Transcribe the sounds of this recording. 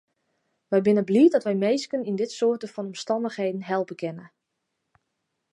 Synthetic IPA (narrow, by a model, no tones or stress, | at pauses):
ʋɛjbɪnəbliədɔtʋɛjmejskənindɪtsoətəfɔnɔmstɑndəxhejdn̩ɦɛlˠpəkʰɛnə